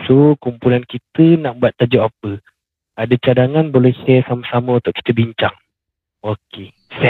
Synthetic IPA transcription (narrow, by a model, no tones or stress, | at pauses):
sokumpulankit̪ənaʔ̚buat̪ːad͡ʒuʔap̚ə | adət͡ʃadaŋanbolɛhsɛsaməsaməunt̪ʊʔkːi̥t̪əbiɲt͡ʃaŋ | oke | sɛ